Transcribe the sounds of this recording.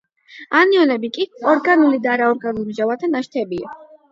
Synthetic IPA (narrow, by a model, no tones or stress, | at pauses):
aniɔnɛbikʼiɔɾɡanulid̪aːɾaɔɾɡanulimʒavat̪ʰanaʃt̪ʰɛbia